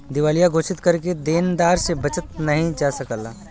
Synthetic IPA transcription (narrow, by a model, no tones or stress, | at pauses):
d̪ɪʋaːlijaɡʱoːʃɪt̪kɐɾk̬ed̪eːnd̪aːɾsebɐt͡ʃət̪nɐɦĩd͡ʒasɐkəlaː